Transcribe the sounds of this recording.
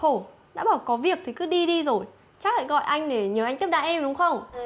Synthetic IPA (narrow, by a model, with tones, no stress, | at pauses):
xo˧˩ | ɗa̰ː˧˥ɓaː˧˩wkɔ˨˦vi˨˩ək̚t̪ʰi˨˩kɨ˨˦ɗi˧ɗi˧zo˨˩j | t͡ɕa˦˥k̚la̰˧˨jɣɔ̰˧˨jʔa˧jŋ̟ɗe˧˩ɲəː˨˦a˧jŋt̪i˦˥pɗaː˧˨ʔɛ˧mɗʊ˨˦ŋ͡mxə˧wŋ͡m